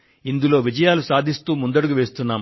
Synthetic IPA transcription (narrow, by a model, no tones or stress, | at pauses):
ind̪ulo̞ːʋid͡ʒɐjaːlusaːd̪ʱist̪uːmund̪ɐɽuɡuʋeːst̪unːaːm